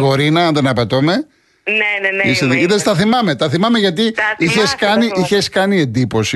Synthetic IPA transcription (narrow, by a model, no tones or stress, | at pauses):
ɣo̞ɾinɐɐnðenɐpet̪ome̞ | iseðiðest̪ɐθimɐme̞t̪ɐθimɐmeʝɐt̪iiçeskɐniʔiçe̞skɐnie̞nd̪ipo̞si